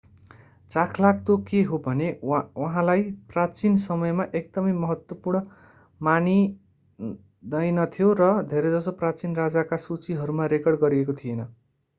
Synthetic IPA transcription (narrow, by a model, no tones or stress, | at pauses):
t͡sakʰlak̚t̪okeɦobʱʌnewʌɦãlajprat͡sinsʌmʌjmaʔek̚d̪ʌmʌjmʌɦʌt̪wʌpurɳʌ | mani | d̪ʌjnʌt̪ʰijorʌd̪ʱeɾʌd͡zʌsoprat͡sinrad͡zakasut͡siɦʌɾumaɾekʌrɖɡʌɾiekot̪ʰijenʌ